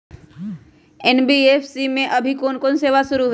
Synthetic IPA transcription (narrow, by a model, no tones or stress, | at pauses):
eːnbiepʰsimẽʔɐbʱikoːnkoːnseːʋasʊɾuɦ